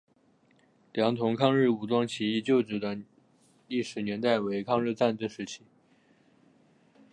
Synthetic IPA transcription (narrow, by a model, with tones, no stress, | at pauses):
ljɑ˧˥ŋt̪ʰʊ˧˥ŋkʰɑ˥˧ŋɻɻ̩˥˩u˨˩t̪wɑ˥ŋt͡ɕʰi˧˥i˥˧t͡ɕjo˥˩ʊʈ͡ʂɻ̩˧˩d̪ə˧˩ | li˥˩ʂɻ̩˨˩njɛ˧˥nt̪a˥˩ɪwe˧˥ɪkʰɑ˥˧ŋɻ̩˥˧t͡sa˥˧nt͡sə˥˩ʂɻ̩˧˥t͡ɕʰi˧˥